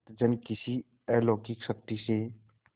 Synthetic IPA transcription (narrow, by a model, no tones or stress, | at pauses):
t̪d͡ʒənkɪsi | ɛloːkikʃɐk̚t̪iseː